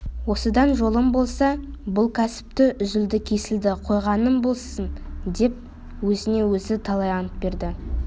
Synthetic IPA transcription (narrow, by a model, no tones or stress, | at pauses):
wo̞səd̪ɑnʒo̞lˠəmbo̞lˠsɑbʊlˠkʲʰæsɪ̥p̚t̪ɪʔʏzɪld̪ɪkʲʰe̞sɪld̪ɪqʰo̞jʁɑnəmbo̞lˠsənd̪e̞p̚ | wɵzɪne̞wɵzɪt̪ʰɑlˠɑjɑnəp̚be̞ɾd̪ɪ